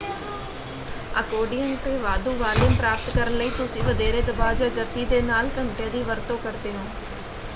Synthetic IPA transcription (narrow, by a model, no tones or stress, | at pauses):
əkoːɖijənt̪eːʋaːd̪uːʋaːlɪmpɾaːp̚t̪kəɾənləiːt̪ʊsĩːʋəd̪eːɾeːd̪əbaːd͡ʒəɡət̪ːiːd̪eːnaːlkəɳʈjãːd̪iːʋəɾt̪õːkəɾt̪eːɦõː